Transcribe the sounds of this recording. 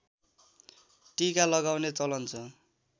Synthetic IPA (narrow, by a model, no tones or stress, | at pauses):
ʈikalʌɡawnet͡sʌlʌnt͡sʰʌ